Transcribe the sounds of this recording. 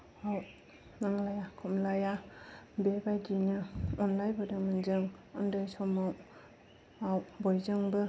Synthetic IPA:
aw | naŋlajakʰɔmlajabebajdinɯɔnlajbɯdɯmɯnzɯŋɯ̰ndɯjsɔmaw | awbojzɯŋbɯ

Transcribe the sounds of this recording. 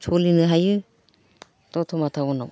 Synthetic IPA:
t͡ʃʰolinɯɦajɯ | t̪ɔt̪ʰɔmat̪ʰawɔna̰w

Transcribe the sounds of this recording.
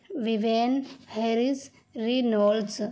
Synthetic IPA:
ʋiʋenheɾis | ɾinols

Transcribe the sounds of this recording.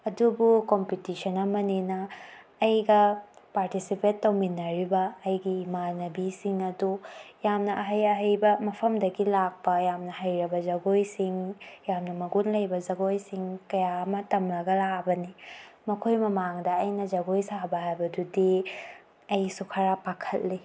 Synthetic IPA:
ɐdubukompitisɐnɐmɐnenɐː | jɡɐpaɾtisipentːɐwminɐɾibɐːjɡimanɐbisiŋɐdujamnɐʔɐɦɐjɐɦɐjbɐmɐpʰɐmdɐɡilak̚pɐjamnɐhɐjɾɐbɐzɐɡojsiŋjamnɐmɐɡunlɐjbɐzɐɡojsiŋkɐjamɐtɐmlɐɡɐlabɐnimɐkʰojmɐmaŋdɐɐjnɐd͡ʒɐɡojsabɐɦajbɐdudi | ɐjsukʰɐɾapakʰɐtli

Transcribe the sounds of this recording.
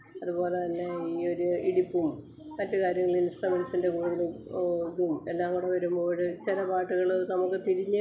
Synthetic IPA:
ɐðubo̞ːlet̪ɐnːe̞iːo̞ɾuiɽipːumː | ɐtːɨkaːɾjɐŋːɐɭinist̪ɐmɐlisinde̞kuːɽuðɐɭuðumelːaːŋːuɽeʋɐɾumboːɻɨt͡ɕilɐpaːʈːuɣɐɭnɐmukːɨt̪iɾiɲːɨ

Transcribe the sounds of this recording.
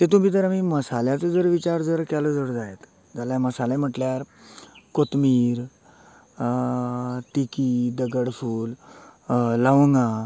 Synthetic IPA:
t̪et̪̬um̤iːt̪əɾam̤iməsaljat͡səd͡zəɾʋit͡ɕaɾd͡zəɾkaləd͡zəɽd͡zaet̪ | d͡zaljaməsalẽm̤əʈljaɾ | kot̪miːɾ | t̪ikiːd̪əɡəɽfuːl | ləʋŋɡã

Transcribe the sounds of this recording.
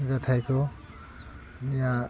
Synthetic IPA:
zatʰajkʰɔ | nija

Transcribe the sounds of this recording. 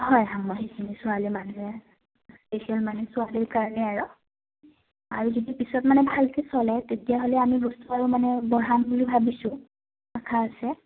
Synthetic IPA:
hɔjɦamːɔɦisinisʊalimanuɦɛ | spesiɛlmanɛsʊaliɹkaɹɔnɛaɹɔ | a̰ɹuzodipisɔtmanɛbʱalkesɔlɛtetijaɦolɛamibɔstuaɹɔmanɛbɔɹanbulibʱabisʊ̃ | akʰaːsɛ

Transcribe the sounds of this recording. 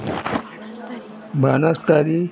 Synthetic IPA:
banastaɾi

